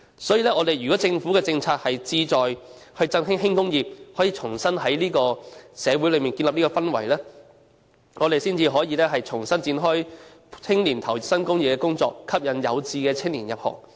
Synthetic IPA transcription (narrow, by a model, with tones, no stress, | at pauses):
sɔː˨˥jiː˨lɛː˥ŋɔː˨˧d̪e˨jɥyː˨kɔː˨˥t͡sɪ˧ŋfu˨˥kɛ˧t͡sɪ˧ŋt͡sʰaː˧t̚hɐ˨jt͡siː˧t͡sɔː˨j | hɵ˧ɥt͡sɐ˥nɦɪ˥ŋɦɪ˥ŋkʊ˥ŋjiː˨˩p̚hɔː˨˥jiː˨t͡sʰʊ˨˩ŋsɐ˥nɦɐ˨˥jliː˥kɔː˧sɛː˨˧wuː˨˥jlɵ˨˧ɥmiː˨nki˧nlɐ˨p̚liː˥kɔː˧fɐ˥nwɐ˨˩jlɛː˥ | ŋɔː˨˧ɾe˨jsiː˥nt͡siː˧ɦɔː˨˥jiː˧lɛː˥ɦɐ˨jt͡sʰʊ˨˩ŋsɐ˥nt͡siː˧nɦɔː˥j | hɪ˥ŋliː˨˩nt̪ʰɐ˨˩wsɐ˥nkʊ˥ŋji˨pkɛː˧kʊ˥ŋt͡sɔː˧kkʰːɐ˥p̚jɐ˨njɐ˨˧wt͡siː˧kɛː˧t͡sʰɪ˥ŋliː˨˩njɐ˨p̚hɔ̰ː˨˩ŋ